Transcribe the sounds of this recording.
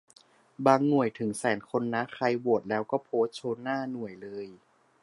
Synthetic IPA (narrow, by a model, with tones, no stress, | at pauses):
baː˧ŋnu˨˩əjt̪ʰɯ˩˦ŋsɛː˩˦nkʰo˧nːa˦˥xʰa˧jbu˨˩ət̪̚lɛː˦˥wkɔː˥˩pʰoː˦˥t̪̚t͡ɕʰoː˧nːaː˥˩nu˨˩əjlɤː˧j